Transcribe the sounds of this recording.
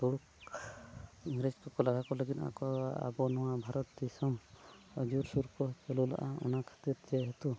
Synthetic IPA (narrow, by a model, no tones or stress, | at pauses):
t̪uɽuk | iŋɡɾed͡ʒkɔkɔlaɡʱakɔleɡit̪a̰kɔa̰bɔnɔwabʱaɾɔt̪̚d̪isɔm | əd͡ʒuɾsuɾkɔt͡ʃɔlula̰ʔa̰ɔ̰nakʰḁt̪iɾd͡ʒɛɦet̪u